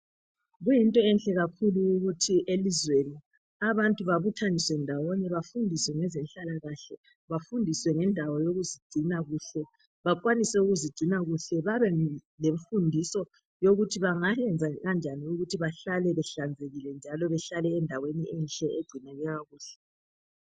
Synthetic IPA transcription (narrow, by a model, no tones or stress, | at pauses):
ɣujintʼɔɛnɬʼɛɣakʰuluːɣutʰiʔelizweni | aβantʼuβaβutʰaniswɛndʱawɔnɛβafundʱiswɛŋɛzɛnɬalaɣaɬɛ | βafundʱiswɛŋɛndʱawɔjoɣuziɡ͡ǀ̥ʱinaɣuːɬɛ | βakʼwanisɛuɣuziɡ͡ǀʱinaɣuɬɛβaβɛleɱfundʱisɔ | joɣutʰiβaŋaɛnd͡zʱaɣand͡ʒʱaniuɣutʰiβaɬalɛβɛɬand͡zʱeɣilɛnd͡ʒʱalɔβɛɬalɛːndʱaweniʔɛnɬʼɛʔeɡ͡ǀʱinɛɣɛɣaɣuːɬɛ̥